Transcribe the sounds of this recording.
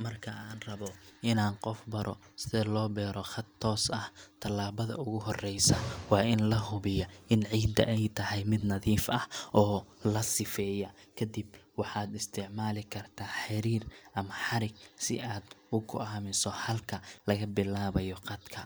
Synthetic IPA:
mɐrkʰɐʔaːnrɐβɔɪnaːnqɔfbɐɾʔɔ | sɪðɛlɔːbɛːɾɔχɐt̪ʰːɔːsɐht̪ʰɐlaːβɐðɐ̰ʊɣʊɦɔrɛjsɐwɑːʔɪnlɐɦʊβɪjɔʔɪnʕiːd̪ɐ̰ʔɛjt̪ʰɐhɛjmɪd̪nɐðiːfɐhʔɔːlɐsɪfɛːjɐkʰɐd̪ibwɑħɑːd̪ɪst̪ʰɪʕmaːlɪkʰɐrt̪ʰaːħɪɾiːrʔɐmɐħɑɾɪɡ̚sɪ̰ʔaːd̪ʊɡʰʊ̰aːmɪsɔhɐlkʰɐlɐɣɐbɪlaːβɐjɔqɑd̪kʰɐ

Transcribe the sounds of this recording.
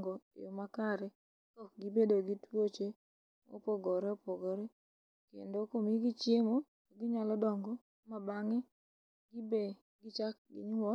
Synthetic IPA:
ŋɡɔ̰jomakaɾɛ | kɔk̚ɡɪbedoɡitwot͡ʃe | o̰poɡɔɾeopoɡɔɾe | kḛndokomiɡit͡ʃjemo | ɡɪɲalɔdɔŋɡɔ | mabaŋe | ɡɪbe | ɡɪt͡ʃak̚ɡɪ̰ɲwɔ

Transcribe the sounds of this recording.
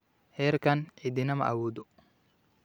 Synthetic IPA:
hɛːɾkɐnʔɪd̪ɪnɐmɐ̰ʔɐwuːd̪ɔ

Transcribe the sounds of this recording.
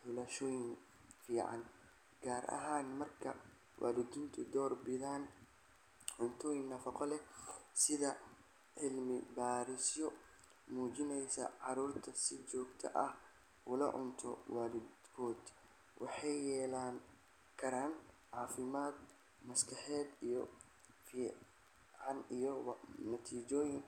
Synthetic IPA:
hʊlɐʃɔːjɪn | fiːʕɑ̰n | ɡaːɾʔɐ̰ɦaːnmɐrkʰɐ | wʔa̰ːlɪd̪ɪnt̪ʰʊd̪ɔːrbɪðaːn | ʕʊnt̪ʰɔːjɪnnɐfɐqɔlɛsɪðɐ | ʕɪlmɪbaːɾɪsjɔ | muːt͡ʃɪnɛjsɐ̰ʕɑɾuːrt̪ʰɐsɪt͡ʃɔːɡt̪ʰɐ̰ʔɐh | ʊlɐ̰ʕʊ̰nt̪ʰɔ̰waːlɪd̪kʰɔːd̪ | wʔɑħɑjːɛːlaːn | kʰɐɾaːnʕɑːfɪmaːd̪ | mɐskʰɑħɛːd̪ijɔ | fiː | ʕɑnijɔwnɐt̪ʰiːt͡ʃɔːjɪn

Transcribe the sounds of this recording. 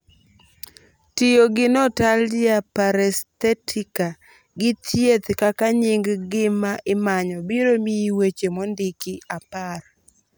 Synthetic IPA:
tijoɡɪnɔtaljapaɾɛst̪ɛtʰika | ɡɪtjet̪kakaɲɪŋɡɡɪmaʔɪmaɲɔbiɾomiwet͡ʃemɔndikiapar

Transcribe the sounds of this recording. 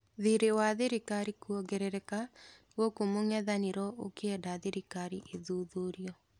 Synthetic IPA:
ðiɾewaðeɾikaɾikuɔɡɛɾɛɾɛkaɣɔkomoŋɛðaneɾɔʔokeɛdaðeɾikaɾiʔeðuːðoɾjɔ

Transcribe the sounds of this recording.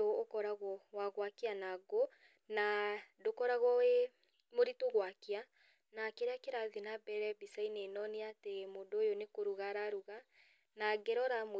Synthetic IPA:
ɔːkɔɾaɣwɔwaɣwakianaɡo | nadokɔɾaɣɔe | moɾitoɣwakia | nakeɾeakeɾaðinabɛɾɛbisainenɔneatemodoːjonekoɾuɣaɾaɾuɣa | naɡɛɾɔɾamo

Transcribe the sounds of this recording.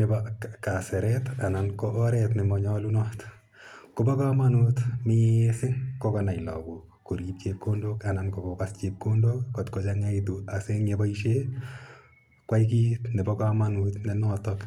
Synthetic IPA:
nɛbakasɛɾɛtanankɔʔːɾɛtnɛmɔɲɔlunɔt | kʊbɔkamanutmɪesɪŋkɔkɔnajlɔ̰ku | koɾjip̚t͡ʃep̚kondokanankɔkɔkast͡ʃep̚kondokːotkot͡ʃaŋait̬uaseŋebaiʃe | kwaik̬iːtnɛbɔkamanutnɛnɔtɔk

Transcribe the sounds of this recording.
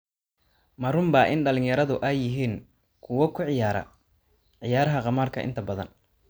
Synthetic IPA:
mɐɾʊmbɑʔɪnɖɐlɪnjɐɾɐðʊʔɛjːɪɦiːn | kʰʊwɐkʰʊʕɪjaːɾɐ̰ | ʕɪjaːɾɐɦɐqɑmaːrkʰɐʔɪ̰nt̪ʰɐbɐðɐ̰n

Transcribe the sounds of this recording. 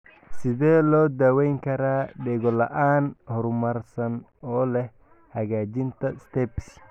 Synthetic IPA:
sɪðɛːlɔːd̪awɛjŋkʰɐɾaːɖɛːɣɔlɐʔaːnhɔɾmɐrsɐn | ɔːlɛh | hɐɣaːd͡ʒɪnt̪ʰɐst̪ʰɛps

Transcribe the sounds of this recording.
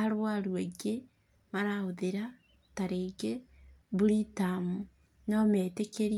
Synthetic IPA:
aɾwaɾweɡe | maɾaoðeɾa | taɾeɡebuɾitamu | nɔmeːtekeɾ

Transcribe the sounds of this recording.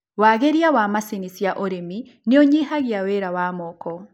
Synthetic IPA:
waɣeɾjawamasinisjaʔoɾemi | nioɲihaɣiaweɾawaːmɔːkɔ

